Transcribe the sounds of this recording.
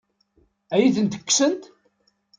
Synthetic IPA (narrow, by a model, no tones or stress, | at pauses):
æjiθənt̪ə̥kːsənt̪